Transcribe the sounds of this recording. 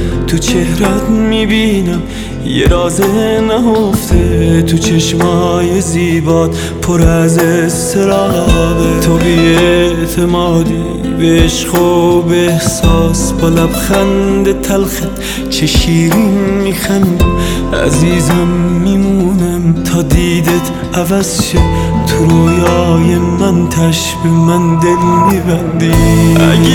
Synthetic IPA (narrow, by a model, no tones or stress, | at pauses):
t̪ʰut͡ʃʰehɾæt̪miːbiːnæm | jḛɾɑːzenæhoft̪ʰet̪ʰut͡ʃʰeʃmhːjeziːbɑːd̪ | pʰoɾæzest̪ʰeɾɑːd̪et̪ʰobiet̪ʰemɒːd̪i | beːʃqobehsɑːsbolæbxænd̪et̪ʰælxæ | t͡ʃʰeʃiːɾinmixænd̪ | æ̰ziːzæmːimuːnæmt̪ʰɑːd̪iːd̪et̪ʰ | ævæzʃet̪ʰʊɾojɑːjemænt̪ʰæʃ | bemænd̪elmibænd̪i